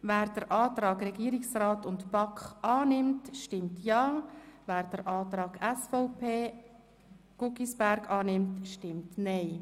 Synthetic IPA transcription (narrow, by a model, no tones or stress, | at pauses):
væːɾd̥əɾʔɑːtɾɑːɡɾɛɡiəɾɪksraːtʊntpɑkχʔɑːnɪmtʃtɪmtʰjɑːvæːɾd̥əɾʔɑːt̪ɾɑːɡɛsfɔʊpʰeː | ɡ̥ʊkisb̥æɾɡɑːnɪmtʃtɪmtnɛɪ